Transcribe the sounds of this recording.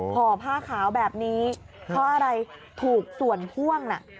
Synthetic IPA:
pʰɔː˨˧pʰaː˥˩kʰaː˩˦wbɛː˨˩p̚niː˦˥ | pʰɔː˦˥ʔa˧ɾa˧jt̪ʰuː˨˩k̚su˨˩ənpʰu˥˩əŋna̰˨˩ʔ

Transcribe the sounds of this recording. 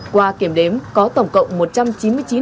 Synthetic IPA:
kwaː˧ki˧˩əmɗe˨˦mkɔ˨˦t̪ə˧˩wŋ͡mkə̰˧˨wŋ͡mmo˨˩t̚t͡ɕa˧mt͡ɕi˨˦nmɨ˧əjt͡ɕi˨˦n

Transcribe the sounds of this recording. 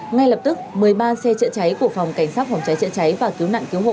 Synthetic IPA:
ŋa˧jlə˨˩p̚t̪ɨ˦˥k̚mɨ˨˩əjɓaː˧sɛ˧t͡ɕə̰˧˨t͡ɕa˨˦jku˧˩əfa˨˩wŋ͡mka˧˩jŋ̟saː˦˥t̚fɔ˨˩wŋ͡mt͡ɕa˨˦jt͡ɕə̰˧˨t͡ɕa˨˦jvaː˨˩ki˨˦əwna̰ː˧˨ŋki˨˦əwɦo̰˧˨

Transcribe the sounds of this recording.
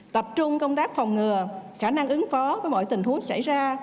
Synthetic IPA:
t̪ə˨˩p̚t͡ɕʊ˧ŋ͡mkə˧wŋ͡mt̪aː˦˥k̚fa˨˩wŋ͡mŋɨ˨˩əxaː˧˩na˧ŋʔɨ˨˦ŋfɔ˨˦vəː˨˦jmo̰˧˩jt̪ï˨˩ŋ̟hu˨˦əŋsa̰˧˩jzaː˧

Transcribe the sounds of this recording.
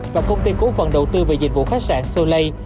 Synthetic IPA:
vaː˨˩kə˧wŋ͡mt̪i˧ko˨˦fə˨˩nɗə˨˩wt̪ɨ˧ve˨˩zi̟˨˩vṵ˧˨xa˦˥k̚saː˧˩nso˧lə˧j

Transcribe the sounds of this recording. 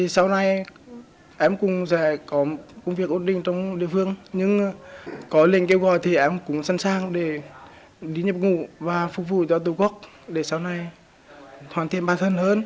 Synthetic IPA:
t̪i˨˩sa˧wna˨˧˩j | ʔɛ˨˦mkʊ˨˩ŋ͡mzɛː˧˩kɔ˨˦kʊ˧wŋ͡mvi˧˩ək̚ʔo˨˧˥nɗï˧˨ŋ̟t͡ɕɔ˧wŋ͡mɗḭ˧˨əfɨ˧əŋɲɨ˧ŋ | kɔ˨˦lḭ˧˨ənke˧wɣɔ̰˧˨jt̪ʰi˨˩ʔɛ˨˦mkʊ̰˧˥ŋ͡msa˧nsaː˧ŋɗe˧˩ | ɗi˨˦ɲə˨˩p̚ŋṵ˧˩˨vaː˨˩fʊ˨˧˩k̚vṵ˧˨t͡ɕɔ˧t̪̬u˧˦ku˦˥ək̚ | ɗe˧˩saː˧wna˧j | t̪ʰwaː˨˩t̪ḭ˧˨ənɓaː˧˩t̪ʰə˧nhəː˧n

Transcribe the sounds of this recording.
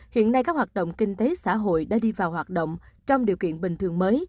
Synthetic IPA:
hḭ˧˨ənːa˧jkaː˦˥k̚waː˨˩t̚ɗo̰˧˨wŋ͡mkï˧ŋt̪e˨˦sa̰ː˧˥˩ɦo̰˧˨jɗa̰ː˧˥ɗi˧vaː˨˩wɦwaː˨˩t̚ɗo̰˧˨wŋ͡mt͡ɕɔ˧wŋ͡mɗi˨˩əwkḭ˧˨ənɓï˨˩ŋ̟t̪ɨ˨˩əŋməː˨˦j

